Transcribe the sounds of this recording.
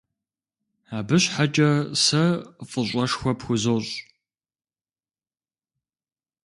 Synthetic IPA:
aːbɨɕħat͡ʃʼɐsɐfʼəɕʷʼɐʂxʷɔpxʷʊzoːɕʼ

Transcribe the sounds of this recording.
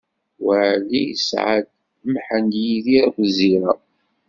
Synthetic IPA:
wəʕlḭsʕa̰d̪ | mħənd̪jiðiɾkʷziɾa

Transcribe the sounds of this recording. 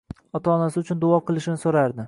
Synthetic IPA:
ɒt̪ʰaːnasɪʊt͡ʃʰʊnd̪ʊɒqʰɨlˠɪʃɪnɪsoɾaɾd̪ɪ

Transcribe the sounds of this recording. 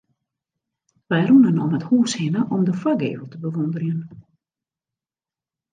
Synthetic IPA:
ʋɛjrunənɔməthuːshɪnəʔɔmdəfaɡḛːvəlˠtəbəʋondərjən

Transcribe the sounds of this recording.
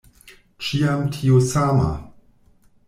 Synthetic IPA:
t͡ʃiamtʰiosama̰

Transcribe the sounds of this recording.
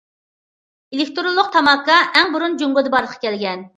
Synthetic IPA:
elɪkʲt̪ɾolˠːʊq̚t̪ʰɑmɑkːɑʔɛŋbuɾund͡ʒuŋɡʊd̪ɨbɑɾlˠəqʰːɑ̥kʲʰɛlɡʲɛn

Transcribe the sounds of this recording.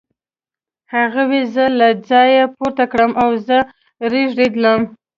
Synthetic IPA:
haɣawezəlad͡zɑjapoɾt̪akɽəmʔawzə | ɾeʒɖed̪ləm

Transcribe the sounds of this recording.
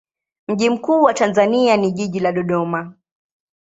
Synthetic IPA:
m̩ʄim̩kuːwatanzanianiʄiʄilaɗɔɗɔma

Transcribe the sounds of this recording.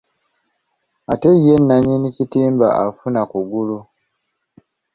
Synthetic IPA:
ate̞ijenːaɲinicitiːmba̰ʔafunakuɡulu

